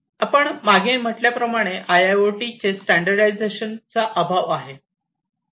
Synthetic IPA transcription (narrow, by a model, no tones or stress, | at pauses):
apəɳmaɡʱem̤əʈljapɾəmaɽ̃eʔajaoʈit͡sesʈæɳɖəɾɖajd͡zeɕənt͡saʔəbʱaʋaɦe